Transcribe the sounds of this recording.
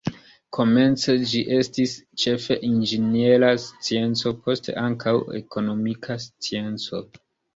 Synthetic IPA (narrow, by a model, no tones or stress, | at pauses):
kʰo̞me̞nt͡se̞d͡ʒiʔe̞stist͡ʃe̞fe̞ʔind͡ʒenielast͡sie̞nt͡so̞pʰo̞stḛʔaŋkʰawe̞̰ko̞no̞mikʰast͡sie̞nt͡so̞